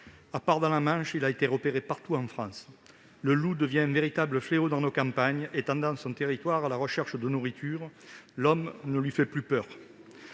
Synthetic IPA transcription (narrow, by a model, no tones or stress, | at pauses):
apaʁd̪ɑ̃lamɑ̃ʃilaet̪eʁəpeʁepaʁt̪uɑ̃fχɑ̃s | ləlud̪əvjɛ̃ɛ̃nveʁit̪abləfleod̪ɑ̃nokɑ̃mpaɲet̪ɑ̃d̪ɑ̃sɔ̃t̪eʁit̪waʁalaʁəʃɛʁʃəd̪ənuʁit̪ʰyʁlɔmnəlɥifɛplypœʁ